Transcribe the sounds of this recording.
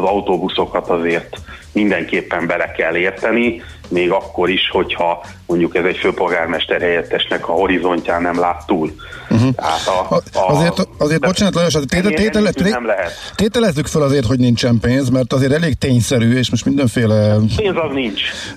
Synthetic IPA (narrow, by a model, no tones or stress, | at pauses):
zɒwt̪oːbuso̞kɒt̪ɒzeːrt̪ | mind̪ɛŋkeːpːɛmbɛlɛkɛlːeːrt̪ɛni | meːɡɒkːo̞ɾiʃho̞chɒ | moɲɟukɛzɛcføːpo̞lɡaːrmɛʃt̪ɛrhɛjɛt̪ːɛʃnɛkɒho̞ɾizo̞ɲcaːnɛmlaːt̪ːuːl̩ | ɦ̩t̪ɛɦa̰t̪ɒɒzeːrt̪ɒzeːrt̪bot͡ʃɛnɒt̪lɒjoʃ̬et̪eːeɛenɛmlɛɦɛt̪t̪eːt̪ɛlɛzːykfølɒzeːrt̪ho̞ɟnint͡ʃɛmpeːnzmɛrt̪ɒzeːrt̪ɛleːk̚t̪eːɲsɛɾyːeːʃmoʃt̪mind̪ɛɱfeːlɛpeːnzɒkniɲt͡ʃ